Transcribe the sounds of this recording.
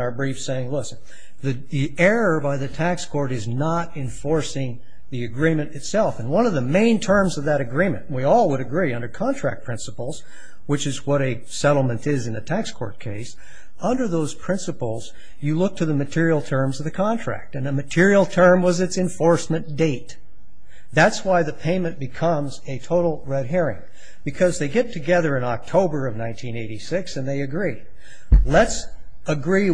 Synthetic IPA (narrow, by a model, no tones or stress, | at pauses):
ə˞bɹifseɪɪ̃ŋlʊsn | ðɨ | ðiɛɹə˞baɪðɨtʰækskʰɔɹɾɨznəɾɨ̃ɱfɔɹsɪ̃ŋ | ðiɨɡɹĩmɨ̃nɨtsɛlˠfɨ̃n̩wʌ̃nʌvðəmẽɪ̃ntʰɜ̃˞mzʌvðɨɾɨɡɹĩmɨ̰̃nʔwiɔlˠwəɾɨɡɹiʌ̃ndə˞kʰɑ̃ntʰɹ̥æ̰k̚pʰɹ̥ɪ̃nsəpl̩ˠz̥ | wɨt͡ʃɨzwʌɾɨ | sɛɾl̩ˠmɨ̃ntɪzɨ̃n̩ɨtʰækskʰɔ̰ɹt̚kʰeɪs | ʌ̃ndə˞ðoʊz̥pʰɹ̥ɪ̃nsəpl̩ˠz̥ | jɨlʊk̚tʰɨðɨmɨtʰɪɹil̩ˠtʰɜ̃˞mzʌvðɨkʰɑ̃ntʰɹ̥æ̰k̚tɨ̃nɨmɨtʰɪɹil̩ˠtʰɜ̃˞mwʌzɨtsɨ̃ɱfɔɹsmɨ̃nd̥eɪt̪̚ | ðætswaɪðɨpʰẽɪ̃mɨ̃nb̥ɨkʰʌ̃mzɨtʰoʊɾl̩ˠɹɛd̚ɦiɹɪ̰̃ŋ | b̥ɨkʰʌzðeɪɡɛtʰɨɡɛðə˞ɨ̃nɑk̚tʰoʊbə˞ʌvnãɪ̃ntʰĩneɪɾisɪksɨ̃nðeɪɨɡɹi | ləts | əɡɹi